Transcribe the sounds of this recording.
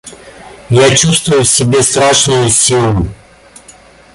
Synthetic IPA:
jat͡ɕust̪vʊjʊsʲɪbʲest̪ɾaʂnʊjʊsʲilˠʊ

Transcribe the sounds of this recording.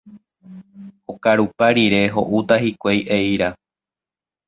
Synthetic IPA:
okaɾupaɾiɾe̞ɦo̞̰ʔut̪ahikʷejʔeiɾa

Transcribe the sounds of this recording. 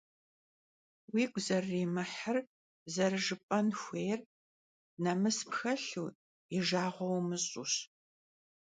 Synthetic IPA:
wiːɡʷzɐrːiːmɨħər | zɐrɨʒɨpʼɐnxʷeːjr | nɐmɨspxɐɬuː | iʒaːʁʷɔwmɨɕʼṵɕ

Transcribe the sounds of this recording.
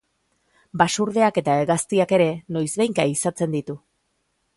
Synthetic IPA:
basuɾðe̞ake̞t̪aeɣast̪iake̞ɾe̞no̞jzβe̞jŋkaisat͡se̞nd̪it̪u

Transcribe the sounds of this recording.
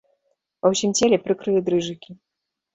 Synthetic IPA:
pɐwsʲimt͡sʲelʲɛpɾɨkɾɨlʲid̪ɾɨʐɨkʲi

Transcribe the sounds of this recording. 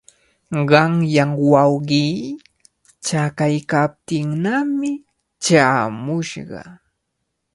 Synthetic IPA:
ɢɑŋjaŋwɑwɢiː | t͡ʃakajkap̚t̪ɪŋnamɪ | t͡ʃaːmʊʃɢɑ̰

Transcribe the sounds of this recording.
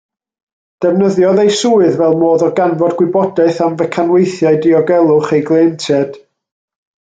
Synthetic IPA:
d̥ɛvnəðjɔðejsuːɨðvɛlˠmoːðɔɡanvɔdɡwɪbɔdaɨθamvɛkʰanwejθjaɨdiɔɡɛlˠʊχejɡlˠeːntʰɛd̥

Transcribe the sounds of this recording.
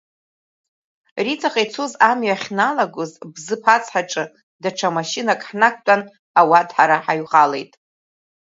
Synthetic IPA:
rit͡sʰʼaχʼejt͡sʰozamɥaχʲnalaɡʷʊzbzɨpʰat͡sʰʼħaʈ͡ʂʼɨ | daʈ͡ʂʰamaʃinakʼħnak̚ʷʰtʷʼan | awadħaɾaħaɥʁale̞̰jtʼ

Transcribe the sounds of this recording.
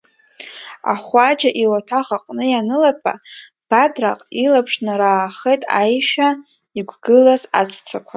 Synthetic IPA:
a̰χʷad͡ʒaʔiwatʰaʁaqʼnɨjanɨlapʰʼa̰ | b̥adra̰qʼilapʰʂnaɾaːχejtʼa̰jʃᶣa | iɡʷɡɨlazazt͡sʰakʷʰa

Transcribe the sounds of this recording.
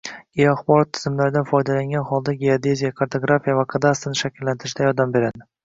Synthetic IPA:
ejaχbɒɾɒt̪ʰːɪ̥zɪmlaɾɪd̪anfɒjd̪alaŋʲanhɒlˠd̪aɡʲead̪e̞zijakʰaɾt̪ʰoɡɾafijavaqʰad̪ast̪ɪnʃakʲʰɪlːant̪ʰɪɾɪʃd̪ajɒd̪ambe̞ɾad̪ɪ

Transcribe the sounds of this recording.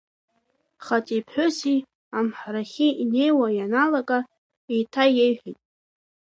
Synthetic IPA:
χatʼipʰħʷᶣʊsi | amħaɾaχʲiine̞jwajanalakʼa | ejtʰajejħʷᶣitʼ

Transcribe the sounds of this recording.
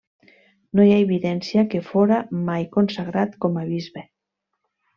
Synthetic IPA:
nojaeβiðɛnsjakefoɾamajkonsaɣɾat̪komaβ̞izβe

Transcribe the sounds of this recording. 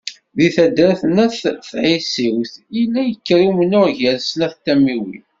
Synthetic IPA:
ðiθæd̪ɾθnæθθʕisiwθilːæjəkːɾiwmənʊʁʝælsnæθt̪ːæmiwḭ

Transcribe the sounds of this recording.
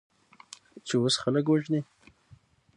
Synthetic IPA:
t͡ʃewosxaləkwaʒni

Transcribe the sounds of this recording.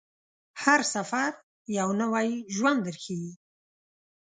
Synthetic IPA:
haɾsafaɾ | jawnawajʒwand̪əɾxeɡi

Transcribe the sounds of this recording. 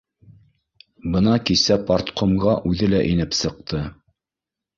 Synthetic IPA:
bɤnɑkisæpɑɾt̪qomɢɑʔʉðɘlæʔinɘpsɤ̆q̚t̪ʰɤ

